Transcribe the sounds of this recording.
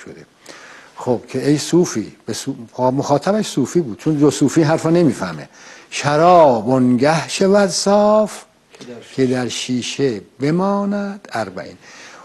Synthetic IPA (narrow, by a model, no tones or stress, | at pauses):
ʃod̪e | xob̥kʲʰeejsuːfḭːbesumoxɒːt̪ʰæbæʃsuːfiːbuːd̪̥t͡ʃʰond̪osuːfiːɦæɾfɒne̞miːfæhmḛʃæɾɒːbonɡæhʃevæd̪sɒːf | kʲʰe̞d̪æɾʃiːʃebe̞mɒːnæd̪̥æɾbæ̰ʔḭːn